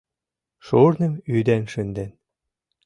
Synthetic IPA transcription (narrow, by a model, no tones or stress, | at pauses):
ʃuɾnɘ̆myd̪ænʃynd̪æn